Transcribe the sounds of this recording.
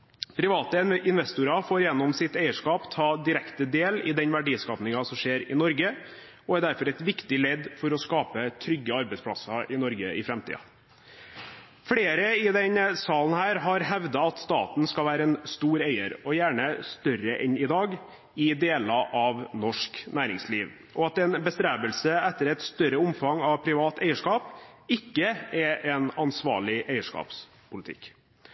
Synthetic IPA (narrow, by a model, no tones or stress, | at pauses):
pʰɾɪʋɑːt̪əɪnʋɛst̪ʊɾɑfoːɾjɛnːɔmsɪt̪æɪəʂkɑːpt̪ʰɑːd̪ɪɾɛkt̪əd̪eːlɪd̪ɛnʋæɖiːskɑːʋnɪŋɑsɔmʂeːɾɪnɔɾɡə | ɔæɾd̪æɾfɔɾɛɪt̪ʋɪkt̪ɪlɛd̪fɔɾɔskɑːpət̪ʰɾʏɡːəɑɾbɛɪspʰɽɑ̰sɑʔɪnɔɾɡəɪfɾɛmt̪ʰḭːɑ̰ | fɽeːɾəɪd̪ɛɲsɑːln̩hæːɾɦɑɾhɛʋd̪ɑɑt̪st̪ɑ̰ːt̪n̩skɑlʋæːɾəɛnst̪uːɾæɪəɾɔjæːɳəst̪œrəʔɛnɪd̪ɑːɡ | ɪd̪eːlɑʔɑʋnɔʂknæːɾɪŋsliːʋ | ʔɔɑt̪ɛnbəst̪ɾæːbəlsəɛt̪ːəɾɛt̪st̪œɾəʊmfɑŋɑʋpʰɾɪʋɑːt̪æɪəʂkɑːpɪkːəɛɾʔɛnɑnsʋɑ̰ːɭɪʔæɪəʂkɑ̰ːps | pʰʊlɪt̪ʰɪ̰k